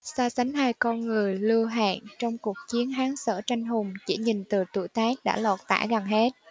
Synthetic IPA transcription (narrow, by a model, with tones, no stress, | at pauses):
saː˧sa˨˦ŋ̟haː˧jkɔ˧nŋɨ˨˩əjlɨ˧əɦa̰ː˧˨nt͡ɕɔ˧wŋ͡mku˨˩ək̚t͡ɕi˨˦ənɦaː˨˦ŋsə̰ː˧˩t͡ɕa˧jŋ̟ɦʊ˨˩ŋ͡mt͡ɕḭ˧˩ɲi˨˩nt̪ɨ˨˩t̪ṵ˧˩jt̪aː˦˥k̚ɗa̰ː˧˥lɔ˨˩t̚t̪a̰ː˧˥ɣa˨˩nɦe˦˥t̚